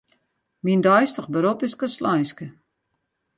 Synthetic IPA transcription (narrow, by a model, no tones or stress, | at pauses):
mindɔjstəχbəɾopɪskəslɔjskə